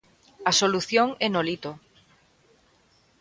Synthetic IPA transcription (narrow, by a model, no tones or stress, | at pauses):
ɐsoluθjoŋɛnolit̪o